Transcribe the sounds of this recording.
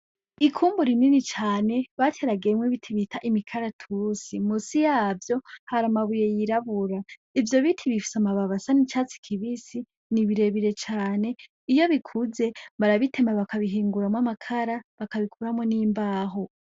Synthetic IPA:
ikʰuːmbuɾininit͡ʃaːne̞βatʰeɾaɡemwiβitʰiβitʰaʔimikʰaɾatʰuɾusimusijaːvjo̞haɾamaβuje̞jiɾaβuɾa | ivjo̞βitʰiβifi̥samaβaβasanit͡ʃat͡si̥kʰiβisi | niβiɾe̞βiɾe̞t͡ʃaːne̞ | ijo̞βikʰuze̞βaɾaβitʰe̞maβakʰaβiɦiːŋɡuɾamŋamakʰaɾaβakaβikuɾamŋoniːmbaːɦo

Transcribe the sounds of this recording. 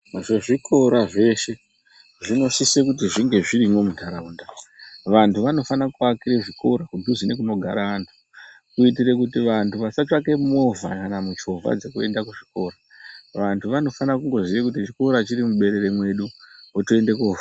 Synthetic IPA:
ʐoʐikʰo̞ɾaʐe̞ʃe̞ | ʐino̞sisekut̬iʐiŋɡe̞ʐiɾimomudʱaɾaundaʋantʰuʋano̞fanakuakiɾeʐiko̞ɾakudʱuzine̞k̬uno̞ɡʱaɾaʋaːntʰu̥ | kuit̬ire̞kutiʋantuʋasat͡ʃake̞mo̞vʱa̰kanamut͡ʃovʱa̰d͡ze̞kue̞ndakuʐiko̞ːɾa | ʋantʰuʋano̞fanakuŋɡo̞ziʋekutit͡ʃiko̞ɾat͡ʃirimuɓe̞ɾe̞remwe̞ɗuotoe̞nde̞koːva

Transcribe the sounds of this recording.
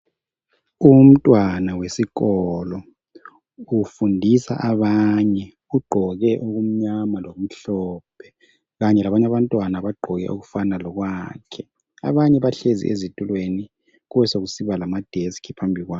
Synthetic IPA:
um̩tʼwanawesiɣɔlɔ | ufundʱisa̰ʔaβaɲɛ | uɡ͡ǃʱɔɣɛʔoɣum̩ɲamalom̩ɬɔp̚ʰɛ | ɣaɲɛlaβaɲaβantʼwanaβaɡ͡ǃʱɔɣɛ̰ʔoɣufanalɔɣwakʰɛ | a̰βaɲɛβaɬezḭʔezitʼulweni | ɣuβɛsoɣusiβalamad̥ʱeskʰipʰambʱiɣwaː

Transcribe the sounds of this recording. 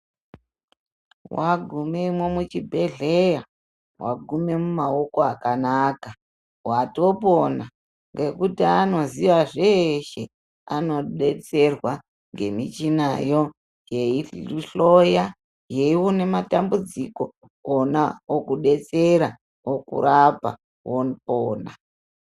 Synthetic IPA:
waɡʱumemwemut͡ʃibʱe̞ɮe̞ja | wa̰ɡʱume̞mumao̞ko̞akanaka | wato̞po̞na | ŋɡe̞kutiano̞ziʋaʐeʃe̞ | ano̞ɗe̞t͡se̞rwa | ŋɡe̞mit͡ʃinajo̞ | je̞iɬo̞ja | jeiwune̞matambud͡ziko̞ | onaokuɗe̞t͡se̞ɾa | wokṵɾapa̰ | wonipoːna

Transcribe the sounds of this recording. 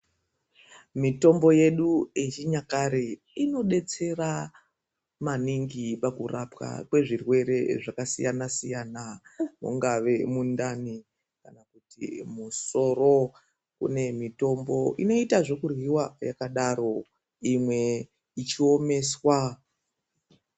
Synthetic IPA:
mito̞mbo̞je̞ɗuet͡ʃiɲakaɾe | ino̞ɗe̞t͡se̞ra | maniŋɡipakurapka̰kwe̞ʐirwe̞ɾe̞ʐakasḭjanasijanamṵŋɡaʋe̞mundani | kanakutḭmuso̞ɾo̞ | kṵne̞mito̞mbo̞ʔḭno̞itaʐo̞kurwiwajakaɗaɾo̞ | imwe̞ | it͡ʃio̞me̞ːswa

